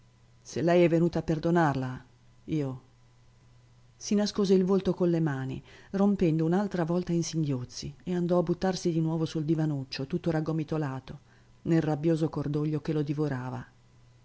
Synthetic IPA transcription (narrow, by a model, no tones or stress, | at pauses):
selːɛjɛvːenuːt̪aːpːerd̪onarla | iːo | sinaskoːzeilvolt̪okonlːemaːnḭrompɛnd̪ounalt̪ɾavɔlt̪ainsiŋɡjot̪sːieand̪ɔabːut̪ːarsid̪inwɔːvosuld̪ivanut͡ʃːot̪ut̪ːoɾaɡːomit̪olaːt̪o | nelrabːjoːzokord̪oʎːokelod̪ivoɾaːva̰